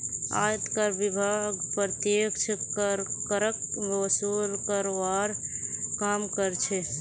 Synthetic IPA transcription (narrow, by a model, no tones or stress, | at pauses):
a̰jt̪kəɾbibʱaɡpɾət̪jekt͡ʃʰkɾkəɾəkəsulkəɾʋaɾkamkəɾt͡ʃʰɛ